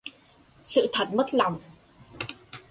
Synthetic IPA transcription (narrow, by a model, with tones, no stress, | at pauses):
sɨ̰˧˨t̪ʰə˨˩t̚mə˦˥t̚la˨˩wŋ͡m